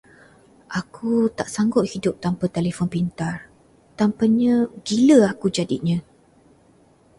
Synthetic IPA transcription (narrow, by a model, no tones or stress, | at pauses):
ʔakʰut̪aʔsaŋɡɔʔ̪hidʊp̚t̪ampat̪elefɔnpint̪ar | t̪ampaɲə̃ɡiləakud͡ʒadiʔɲə̃